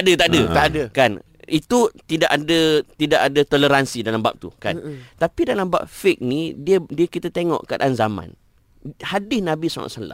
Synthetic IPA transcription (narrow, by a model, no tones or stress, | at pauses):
adət̪aʔdədəkan | it̪ut̪idaʔadət̪idakadət̪oləɾansidalamba̰p̚t̪ṵka̰t̪apidalamba̰p̚fɪk̚nidiədiəkit̪at̪eŋɔ̰ʔka̰t̪anzamã̰n | hadɪsnãbisa̰ŋa̰ʔsala̰m